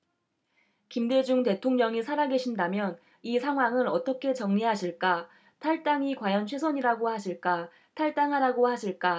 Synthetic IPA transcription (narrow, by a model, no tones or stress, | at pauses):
kimde̞d͡ʑuŋte̞tʰoŋɲʌŋisʰaɾaɡe̞ɕʰindamjʌn | isʰaŋɦwaŋɯnʌt͈ʌkʰe̞t͡ɕʌŋɲiɦaɕʰiɭk͈a | tʰaɭt͈aŋikwajʌnt͡ɕʰwesʰʌɲiɾaɡohaɕʰiɭk͈a | tʰaɭt͈aŋɦaɾaɡohaɕʰiɭk͈a